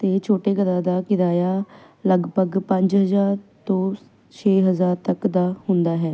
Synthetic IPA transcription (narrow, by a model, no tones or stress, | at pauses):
t̪eːt͡ʃʰoːʈeːɡəd̪aːd̪aːkɪd̪aːjaː | ləɡbʱəɡpə̃ɲd͡ʒɦəzaːɾt̪õː | t͡ʃʰeːɦəzaːɾt̪əkd̪aːɦʊnd̪aːɦɛː